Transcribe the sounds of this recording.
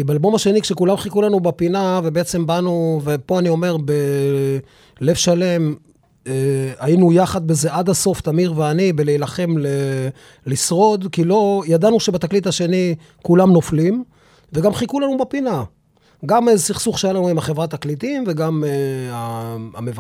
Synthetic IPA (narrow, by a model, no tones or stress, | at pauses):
ibealbo̞maʃe̞nikʃekulamχikulanubapinavebeet͡se̞mbanuvepo̞anio̞me̞ʁbe | le̞vʃale̞m | eainujaχad̪̚beze̞ʔad̪haso̞ft̪amiʁveanibelejlaχe̞mle | lisʁo̞d̪kilo̞jad̪anuʃe̞bat̪aklit̪aʃe̞ni | kulamno̞flim | veɡamχikulanubapina | ɡamezesiχsuχʃejalanuimaχevʁat̪aklit̪imve̞ɡameaamev